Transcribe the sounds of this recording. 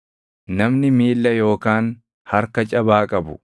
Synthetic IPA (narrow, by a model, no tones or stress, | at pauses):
nɐmnɪmiːlːɐjo̞ːkaːn | hɐɾkɐt͡ʃʼɐbaːkʼɐbʊ̰